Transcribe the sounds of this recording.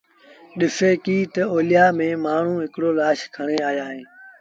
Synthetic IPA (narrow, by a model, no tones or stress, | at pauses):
ɗɪfeːkiːt̪əoːlɪjaːmẽːmaːɳ̤ũːɦɪkɽoːlaːʃkʰəɳ̃ẽːaːjaːɦẽː